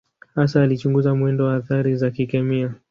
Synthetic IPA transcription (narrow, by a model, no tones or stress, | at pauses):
hasaːlit͡ʃuŋɡuzamwɛndɔwaːθaɾizakikɛmia